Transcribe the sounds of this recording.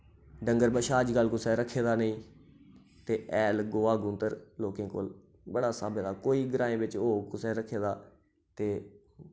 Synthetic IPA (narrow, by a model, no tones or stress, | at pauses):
ɖə̃ŋɡəɾbəʃaːd͡ʒkəlkʊsɛːɾəkʰeːd̪aːnəĩː | t̪eːʔɛːlɡoːaːɡʊ̃nt̪əɾloːkẽːko̰ːl | bəɽaːsaːbeːd̪aːkoːiːɡəɾãːẽːbɪt͡ʃoːkʊsɛːɾəkʰeːd̪aː | t̪eː